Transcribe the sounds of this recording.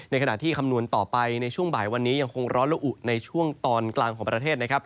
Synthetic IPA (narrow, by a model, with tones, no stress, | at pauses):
na˧jkʰa˧na̰˨˩ʔt̪ʰiː˥˩kʰa˧mnu˧ənt̪ɔː˨˩pa˧jna˧jt͡ɕʰu˥˩əŋbaː˩˦jwa˧nːiː˦˥ja˧ŋkʰo˧ŋɾɔː˦˥nla˧ʔu˨˩na˧jt͡ɕʰu˥˩əŋt̪ɔː˧nklaː˧ŋkʰɔː˩˦ŋpɾa˧t̪ʰeː˥˩t̪̚na˦˥kʰɾa˦˥p̚